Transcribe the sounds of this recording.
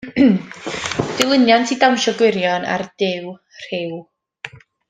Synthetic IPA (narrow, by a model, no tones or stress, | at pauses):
d̥ɪlˠɪnjantʰidawnʃɔɡwɪɾjɔna̰rd̥ɪw | r̥ɪw